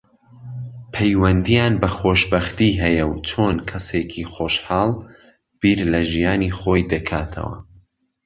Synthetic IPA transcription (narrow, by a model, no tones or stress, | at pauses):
pʰɐjwɐnd̪ijaːnbɐxoːʃbɐχt̪iːɦɛjɐwt͡ʃʰoːnkʰɐsekʰiχoːʃħɑːlˠ | b̥iːɾlɐʒijaːnixoːjd̪ɐkʰaːt̪ʰɐ̰wɐ̰